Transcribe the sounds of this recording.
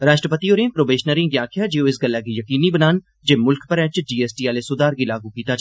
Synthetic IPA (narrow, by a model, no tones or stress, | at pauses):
ɾaːʃʈɾəpət̪ioːɾẽːpɾoːbeːʃnəɾɪ̃ŋɡaːkʰjad͡ʒeːoɪsɡəlːakijɐkiːnibənaːn | d͡ʒemʊlkpəɾɛ̃ːt͡ʃɖiːeːsʈiːaːlesʊd̪aːɾɡilaːɡũkiːt̪at͡ʃʰ